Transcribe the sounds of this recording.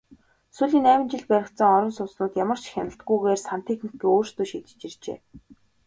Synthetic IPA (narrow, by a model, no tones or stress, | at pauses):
suɮʲiːnæːmɪ̆nt͡ɕɪ̆ɮpæɾʲɪ̆kt̪sə̆ŋɔɾʲɞ̆nsʊsnʊːt̪jamə̆r̥t͡ɕxʲanə̆t̪̚ɡujɣeːrsan̥t̪ʰexnikːiːoːrst̪oːʃit̪ɘ̥̆t͡ɕĭrt͡ɕḛː